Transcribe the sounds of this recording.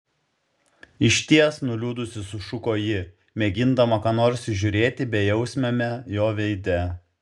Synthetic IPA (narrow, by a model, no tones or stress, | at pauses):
ɪʃʲt̪ʲiɛsnʊlʲuːd̪ʊsʲɪsʊʃʊkoːjɪ | mʲeːɡʲɪnd̪ɐmɐkɑːnoːɾʲsʲʒʲʊɾʲeːt̪ʲɪbʲɛjɛʊsʲmʲɛmʲɛjoːʋʲɛɪd̪ʲɛ